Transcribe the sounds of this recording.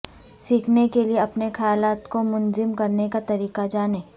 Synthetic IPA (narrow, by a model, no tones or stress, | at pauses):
siːkʰnekelieɐpnexɐjaːlaːt̪komʊnzɪmkɐɾnekat̪ɐɾiːqad͡ʒaːnẽː